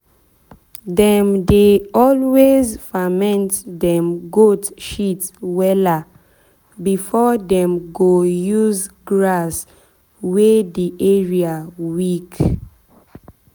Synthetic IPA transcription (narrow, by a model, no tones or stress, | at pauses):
dɛ̃mdeɔlwezfamɛ̃ntdɛ̃mɡotʃitwɛla | bifɔdɛ̃mɡojuzɡɹas | wediʔɛɹiawik